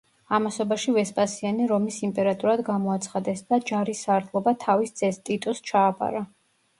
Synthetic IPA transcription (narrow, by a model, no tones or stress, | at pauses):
amasɔbaʃivɛspʼasianiɾɔmisimpʼɛɾat̪ʼuɾad̪ɡamɔat̪sʰχad̪ɛsd̪ad͡ʒaɾisaɾt̪ʰlˠɔbat̪ʰavisd̪z̥ɛst̪ʼit̪ʼust͡ʃʰaːpʼa̰ɾa